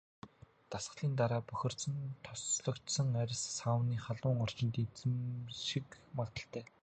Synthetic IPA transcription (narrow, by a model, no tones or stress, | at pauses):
t̪asə̆ɮiːnt̪aɾaːpɵxʲɪ̆r̥sɞ̆nt̪ʰɔsɮɞ̆kt͡ɕsə̆ŋæɾʲɪ̆sːawniːχaɮʊːŋɔr̥t͡ɕɪ̆nt̪it͡sɘ̆mʃikmat̪ə̆ɬt̪ʰæː